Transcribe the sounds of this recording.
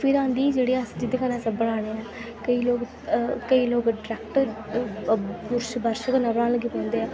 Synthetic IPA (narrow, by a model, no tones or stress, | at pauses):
pʰɪɾãːnd̪iːd͡ʒeːɽeːasd͡ʒid̪ekənaːsəbəɽaːɽ̃eːɛː | kəiːloːk | kəiːloːkɖɾɛːk̚ʈəɾ | pʊɾʃbəɾʃəkənãːbəɽaːnləɡiːpɛ̃ːnd̪eːɛː